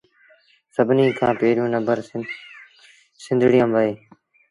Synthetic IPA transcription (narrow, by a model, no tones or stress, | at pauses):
səbʱniːkʰãːpeːɾjõːnəmbəɾ | sɪ̃nd̪ʱɽijə̃mʋəeː